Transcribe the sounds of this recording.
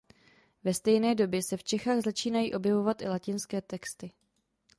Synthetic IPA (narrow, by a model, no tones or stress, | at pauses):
vɛst̪ɛjnɛːdo̞bjɛsɛft͡ʃɛxaːɣzat͡ʃiːnajḭːʔo̞bjɛvo̞vat̪ʔɪ̰lacɪnskɛːt̪ɛkst̪ɪ